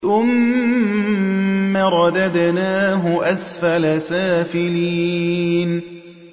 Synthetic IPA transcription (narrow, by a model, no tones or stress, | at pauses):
θʊm | aɾˤɑd̪ad̪naːɦʊʔasfalasaːfɪliːn